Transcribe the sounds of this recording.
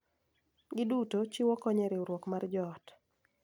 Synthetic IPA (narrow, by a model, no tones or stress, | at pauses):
ɡɪdutot͡ʃiwɔkɔɲɛɾɪoɾwɔkmard͡ʒɔt